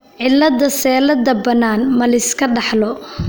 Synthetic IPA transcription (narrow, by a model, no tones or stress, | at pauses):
ʕɪlːɐðɐsɛːlɐd̪ɐbɐnaːnmɐlɪskʰɐɖɑħlɔ